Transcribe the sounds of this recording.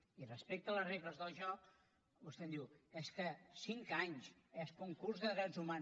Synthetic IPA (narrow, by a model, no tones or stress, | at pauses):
irəspek̚t̪ələzrepləzðəlˠʒɔk̚ | bust̪ɛmd̪iwɛskəsiŋkaɲsɛspuŋkurzðəðɾɛdzuma